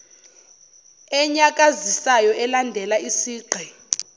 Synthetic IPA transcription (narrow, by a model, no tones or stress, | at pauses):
ɛɲak̬ʼazisajɔʔɛlandʱɛlaisiːɡ͡ǃʱɛ